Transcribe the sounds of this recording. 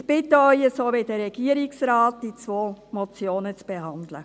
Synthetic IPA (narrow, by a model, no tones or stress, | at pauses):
b̥ɪtəœʏəsoːʋidəɾɛɡ̥iːəɾiksɾɑːt̚d̥it͡sʋoːmɔt͡sjoːnət͡sb̥ehɑnd̪lə̰